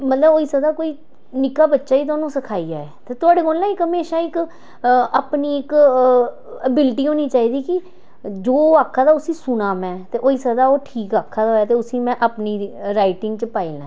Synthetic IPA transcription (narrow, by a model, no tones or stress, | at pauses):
mət̪ləboːiːsəd̪aːkoːiː | nɪkaːbətːʃaːiːt̪̬aːnũːsəkʰaːiːaːɛːt̪eːt̪ʊaːɽeːkoːlnãːɪkɦəmeːʃaːɪk | əpniːɪk | əbɪlʈiːɦoːniːt͡ʃaːiːd̪iːkɪ | d͡ʒoːaːkʰːaːd̪aːʊsĩːsʊnaːmɛ̃ːt̪eːʔoːiːsəd̪aːoːʈʰiːkaːkʰːaːd̪aoːjaːt̪eːʊsĩːmɛ̃ːʔapniːɾaːɪʈɪ̃ŋɡt͡ʃəpaːiːlãː